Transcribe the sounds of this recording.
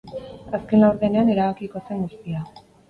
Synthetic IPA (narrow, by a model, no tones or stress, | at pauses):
aske̞nlawɾðe̞ne̞ane̞ɾaβ̞akiko̞se̞ŋɡust̪ia